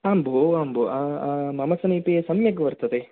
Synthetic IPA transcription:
aːmboaːmbuamɐmɐsɐniːpiesɐmjɐɡɐʋɐɾt̪ɐd̪e

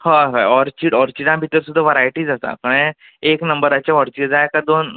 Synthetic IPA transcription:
haɦaɔɾt͡ɕiɽɔɾt͡ɕiɽãbʱit̪əɾsud̪ʱːaʋəɾajʈiːd͡zat̪a̰kəɽ̃ẽ | eknəmbəɾat͡ɕaɔɾt͡ɕid͡zajkaɾd̪oːn

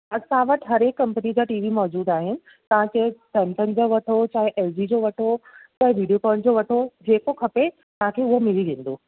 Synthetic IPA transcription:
ɐsãʋɐʈɦɐɾɦeːkːɐ̃mpənid͡ʑaːʈiːʋimɔːd͡ʑuːd̪aːɦɪnɪ̆ | t̪ɐʋ̤ãt͡ɕɐɦsɛntənɪ̆d͡ʑoːʋɐʈʰot͡ɕaːɦɪʔeːld͡ʑid͡ʑoːʋɐʈʰot͡ɕaːɦeʋiːɖijokɔːnd͡ʑoʋɐʈʰod͡ʑeːkokʰɐpe | t̪ɐʋ̤ãkʰeʊɦemɪliʋẽːn̆d̪oː

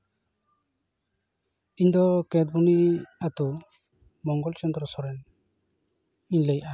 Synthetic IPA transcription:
iɲd̪ɔkɛd̪̚buniat̪u | mɔŋɡɔlt͡ʃɔnd̪ɾɔsɔɾɛn | iɲlejʔa

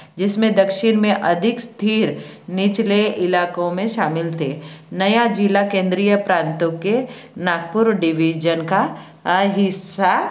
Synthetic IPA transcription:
d͡ʒɪsmẽd̪ɐkʃɪnmẽʔɐd̪ʱɪkst̪ʰiːɾnɪt͡ʃleʔɪlaːkõmẽʃaːmɪlt̪ʰeːnɐjad͡ʒɪlakẽːnd̪ɾijəpɾãːnt̪õke | naːɡ̚pʊɾɖɪʋiːd͡ʒənka | ɦɪsa

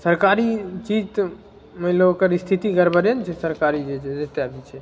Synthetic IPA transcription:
səɾkaɾit͡ʃid͡ʒt̪ | melokəɾist̪ʰit̪iɡəɾbəɾjənt͡ʃʰɛsəɾkaɾid͡ʒed͡ʒet̪eabit͡ʃʰɛ

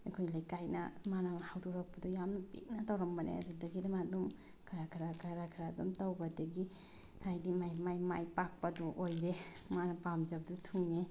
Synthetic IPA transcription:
ikʰojlajkajnɐ̰manamahawduɾak̚pɐdujamnɐpḛk̚natawɾɐmbɐnḛɐ̰dudɐɡidamadum | kʰaɾakʰɾakʰaɾakʰɾadumtawbɐdɐɡi | hajdimajmajmajpak̚paduʔojɾemanɐpamd͡ʒab̚dutʰuŋne

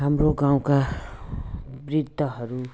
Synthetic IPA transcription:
ɦamɾoɡãw̃ka | brid̪ʱːʌɦʌɾu

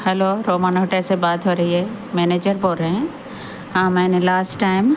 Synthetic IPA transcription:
hɛloːɾoːmãːnoːʈesebaːt̪ɦoːɾɐɦiɦeː | mɛːneːd͡ʒəɾboːlɾeɦɛ̃ | ɦãːmɛ̃nlaːsʈʈːaːɪm

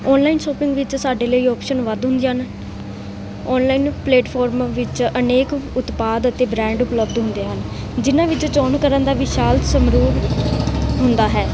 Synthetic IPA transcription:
ɔːnlaːinʃɔːpɪ̃ŋɡʋɪt͡ʃsaːɖeːləiːɔːpʃənʋəd̪ɦʊ̃nd̪iːɦən | ɔːnlaːiːnpleːʈpʰɔːɾmʋɪt͡ʃəneːkʊt̪paːd̪ət̪eːbɾɛ̃ːɳɖʊpləbd̪ɦʊ̃nd̪eːɦən | d͡ʒɪnãːʋɪt͡ʃt͡ʃɔːnkəɾənd̪aːʋiʃaːlt̪səmɾuːɾ | ɦʊnd̪aːɦɛː

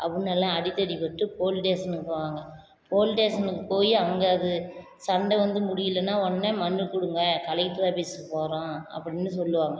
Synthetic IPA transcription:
ʔɐʋɯnːɐlãɐɽɪt̪ːɐɽipɐʈːɯpoːlʈeːsɐnɯkɯpːɯːʋaːŋɡɐ | poːlʈeːsɐnɯkːɯpoːjiɐŋɡɐɐðɯ | sɐɳɖɐʋɐnd̪ɯmʊɽɪjɪlːɐnːaːɔnːɐmɐnːɯkʊɽɯŋɡɐkɐlɐkʈɾaːbisɯpoːɾõːɐ̰pːɐɽɪnːɯsɔlːɯʋaːŋɡɐ

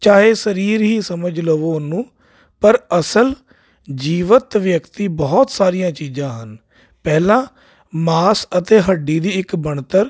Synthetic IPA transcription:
t͡ʃaːɦeːsəɾiːɾɦiːsəməd͡ʒləʋoːnːũː | pəɾəsəl | d͡ʒiːʋət̪ʋjəkt̪iːbɔːt̪saːɾijãːt͡ʃiːd͡ʒãːɦən | pɛːlãː | maːsət̪eːɦəɖːiːd̪iːɪkbəɳt̪əɾ

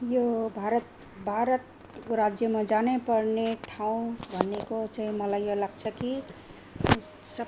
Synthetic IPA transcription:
jobʱaɾʌt̪ | bʱaɾʌt̪ | ɾad͡zjʌmad͡zanepʌrneʈʰaw̃bʱʌnːekot͡saɦĩmʌlajjolaɡt͡sʰʌki | sʌ

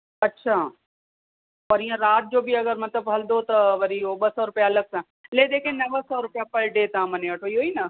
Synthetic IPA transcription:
ɐtːʃʰaː | pɐɾiãɾaːt̪̚d͡ʒoːbʱiɐɡəɾmɐt̪ləbɦɐld̪ot̪ɐʋɐɾioɓɐsɔɾʊpjaɐlɐɡ̚sã | led̪eːkʰẽnɐʋəsɔɾʊpjapɐlɖeːt̪ãːmɐnẽɐʈʰoiɦoːinɐ

